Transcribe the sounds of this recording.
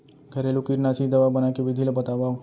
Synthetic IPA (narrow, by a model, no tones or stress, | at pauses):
ɡʱɐɾeːlokiɾnaːsid̪ɐʋabɐnakeʋɪd̪ʱilebɐt̪aːʋaːo